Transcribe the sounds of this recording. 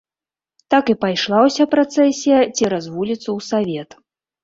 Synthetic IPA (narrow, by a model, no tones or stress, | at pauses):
t̪akɨpajʂlˠawsʲapɾat̪sɛsʲijɐt͡sʲiɾazvulʲit̪sːɐwsavʲɛt̪